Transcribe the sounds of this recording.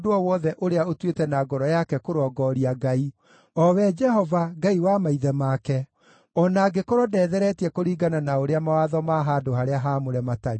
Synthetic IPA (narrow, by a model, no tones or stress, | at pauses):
doɔwɔðɛʔoɾeaotwetɛnaɡɔɾɔjakɛkoɾɔɡɔɾiaɡai | ɔwɛd͡ʒɛɦɔvaɡaiwamaiðɛmakɛ | ɔnaːɡekoɾɔdɛðɛɾɛtiɛkoɾiːɡananaoɾeamawaðɔmaɦadohaɾeaɦamoɾɛmataɾi